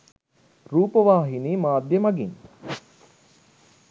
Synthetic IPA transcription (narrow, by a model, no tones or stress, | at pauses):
ruːpəʋaːɦiniːmaːd̪jəmɐɡiŋ